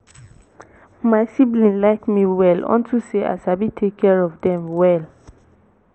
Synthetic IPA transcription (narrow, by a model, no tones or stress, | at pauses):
maɪsiblĩnlaɪkmiwɛlɔ̰̃ntʰuseʔa̰sabitʰekʰːɛɹɔvdɛ̃mwɛl